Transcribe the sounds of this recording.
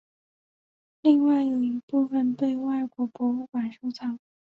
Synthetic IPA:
li˥˧ŋwa˥˩ɪjo˨˩ʊi˧˥pu˥˧fə˥˧nt̪we˥˧ɪwa˥˩ɪkwɔ˧˥pwɔ˧˥u˥˩kwa˨˩nʂu˥t͡sʰɑ˨˥˦ŋ

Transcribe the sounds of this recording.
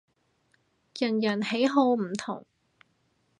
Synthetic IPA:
jɐ˨˩njɐ˨˩nhe˨˥jɦo˧wm̩˨˩t̪ʰʊ̰˨˩ŋ

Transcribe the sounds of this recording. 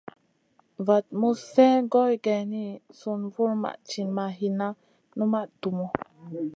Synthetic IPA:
va˨t̪̚mu˦fɛ˦ɡo˦jɡɛ˨ni˦su˨˧nvu˦ɾma̰˨ʔt͡ʃi˨nma˨ɦi˨na˦ | nu˦ma˦ʔtu˨mo˨

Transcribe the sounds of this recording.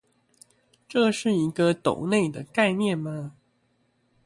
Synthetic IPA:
ʈ͡ʂɤ˥˧ʂɻ̩˥˩i˧˥ɡə˧t̪o̰˨˩ʊne˥˩ɪd̪ə˩ka˥˧ɪnjɛ˥˨nma˦

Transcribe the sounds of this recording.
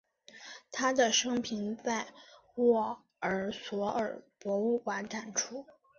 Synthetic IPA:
t̪ʰa˥d̪ə˨ʂɤ˥ŋpʰi˧˥nt͡sa˥˧ɪwɔ˥˩ | ə˞˨˩swɔ˧˥ə˞˨˩pwɔ˧˥u˥˩kwa˧˥nʈ͡ʂa˨˩nʈ͡ʂʰu˥

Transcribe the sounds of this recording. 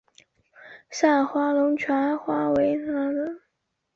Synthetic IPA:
sa˥˩nxwa˥lʊ˧˥ŋt͡ɕʰɥa˧˥nxwa˥we˧˥ɪna˧˥nlə˧˥˦

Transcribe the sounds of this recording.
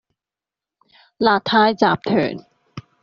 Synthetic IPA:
laː˨˩t̪ʰːaː˧jt͡ɕaː˨˩p̚t̪ʰɤ̰ː˨˩˦n

